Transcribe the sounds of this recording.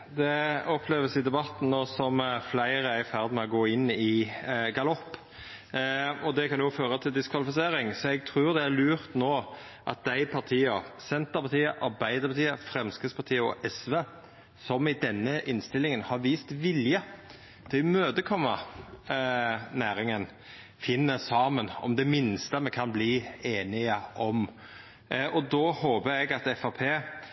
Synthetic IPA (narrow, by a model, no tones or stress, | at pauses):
d̪ɛɔpʰleːʋəsɪd̪ɛbɑt̪ːn̩noːsɔmflæɪɾəæɪfæʁd̪mɛɔɡoːɪnːɪɡɑlɔpː | ɔd̪ɛkʰɑnjʊføːɾət̪ʰɪld̪ɪskʰʋɑlɪfɪseːɾɪŋsɔɛɡ̚t̪ʰɾʉːɾd̪ɛæɾlʉːɾt̪noː | ʔɑ̰t̪̚d̪æɪpʰɑʁt̪ʰiːɑsɛnt̪əɾpʰɑt̪ʰiːəʔɑɾbæɪd̪əɾpʰɑt̪ʰiːəfɾɛmskəspʰɑɾt̪ʰiːəɔ̰ʔɛsʋeː | sɔmɪd̪ɛnːəʔɪnst̪ɪlɪŋənhɑɾʋiːst̪ʋɪljə | t̪ʰɪlmøːd̪əkʰɔmːə | næːɾɪŋən | fɪnːəsɑːmənɔ̰md̪ɛmɪnst̪əmɛkʰɑnbliːeːnɪəʔɔm | ʔɔd̪oːhoːbəɾɛɡɑt̪ɛfɑpʰeː